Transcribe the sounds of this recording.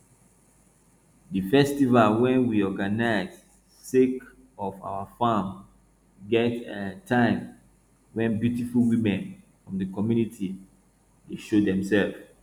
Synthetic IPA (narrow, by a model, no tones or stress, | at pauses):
difɛstivalwɛ̃nwiɔɡanaɪz | sek | ɔfa̰ʊafãm | ɡɛtetʰãɪ̃m | wɛ̃nbjutifulwĩmɛ̃n | fɹɔ̃mdəkɔmjunitʰi | deʃodɛ̃msɛlv